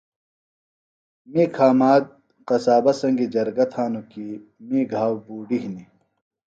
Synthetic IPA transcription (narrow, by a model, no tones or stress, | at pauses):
miːkʰaːmaːd̪̚ | qɐsaːbɐsɐŋɡid͡ʑɐɾɡɐt̪ʰaːnukimiːɡʱaːwbuːɖiɦni